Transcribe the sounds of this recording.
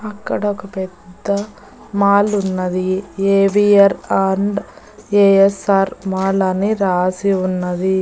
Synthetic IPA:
ɐkːɐɽɐokɐpɛd̪ːɐ | maːlunːɐd̪ieːʋijɐɾaːɳɖ | eːesaːɾmaːlɐniɾaːsiunːɐd̪i

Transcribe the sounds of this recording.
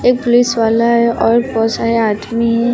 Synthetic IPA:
eːk̚pʊlisʋaːlaɦɛʔɔːɾpɔsaɦeaːt̪miɦɛ

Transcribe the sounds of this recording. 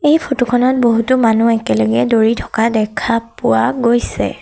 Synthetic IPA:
ejpʰotokʰɔnɔt̚boɦutʊmanuɛkɛlɔɡɛdoɹitʰɔ̥kadɛkʰapʊwaɡojsɛ̰

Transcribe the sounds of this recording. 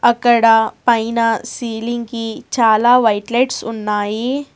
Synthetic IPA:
ɐkːɐɽɐpɐjnɐsiːliŋɡɡit͡ʃaːlaːʋɐjʈlɐjʈsunːaːji

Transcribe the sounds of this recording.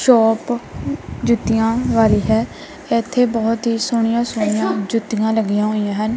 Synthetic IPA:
ʃɔːp | d͡ʒʊt̪ːijãːʋaːliːɦɛː | ɛt̪ʰːeːbɔːt̪ɦiːsʊɳ̃ɪjãːsʊɽ̃ɪjãːd͡ʒʊt̪ːɪjãːləɡijãːɦoːijãːɦən

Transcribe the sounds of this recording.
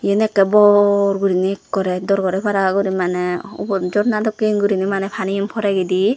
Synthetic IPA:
jenɛkːɛbɔɾɡuɾinikːɔɾɛdɔɾɡɔɾɛbaɾaɡuɾimanɛṵbɔd͡ʒɔɾnad̪ɔkinɡuɾinimanɛpʰanimpʰɔɾaɡid̪i

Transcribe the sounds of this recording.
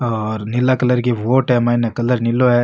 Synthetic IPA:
ɔɾnilːakɐlɐɾɡeʋoːʈemɐinɐkɐlːɐɾnilːoe

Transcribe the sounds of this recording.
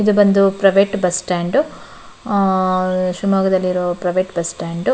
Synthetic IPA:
id̪ubɐnd̪upɾɐʋeːʈbɐsʈaːɳɖu | ʃumaːɡɐd̪ɐlːiɾoːpɾɐʋeːʈbɐsʈaːɳɖ

